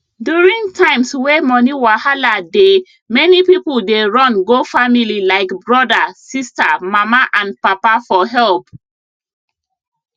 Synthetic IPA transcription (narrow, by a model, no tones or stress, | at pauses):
djuɹĩŋɡtʰãɪ̃mswɛmɔniwahalade | mɛnipipuldeɹɔ̃nɡofamililaɪkbɹɔdasistamamaʔãnpapafɔɦɛlp